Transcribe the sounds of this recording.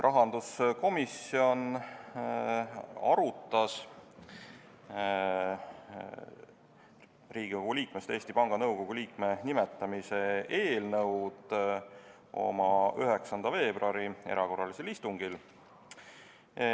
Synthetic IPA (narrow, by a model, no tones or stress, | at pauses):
rʔɑɦɑnd̪̥usko̞misio̞n | ɑ̰ɾut̪ːˑɑs | riːɡ̥ikoɡ̥uliːkmest̪e̞ːst̪ipɑŋɡ̥ɑnɤwko̞ɡ̥uliːkme̞nime̞t̪ːˑɑmise̞e̞ːlnɤwd̪̥ | ʔo̞̰mɑyɦe̞ksɑnd̪ɑve̞ːb̥roɑɾie̞̰ɾɑko̞rːɑliselist̪uŋɡ̥il